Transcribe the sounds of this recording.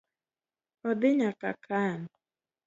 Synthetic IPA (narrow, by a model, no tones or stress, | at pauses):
ɔd̪ɪɲaka̰kʰan